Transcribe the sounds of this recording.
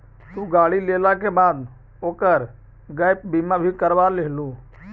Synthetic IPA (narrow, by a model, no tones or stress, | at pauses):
t̪ũːɡaːɽileːlakebaːd̪ | oːkəɾ | ɡaːɪp̚biːmabʱikəɾʋaːɾlɪɦlũː